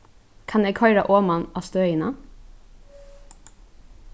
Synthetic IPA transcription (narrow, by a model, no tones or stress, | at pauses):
kʰɑneɪkʰɑʏɾɑ̰ʔoːmɑnɑːst̪øːɪnɑ̰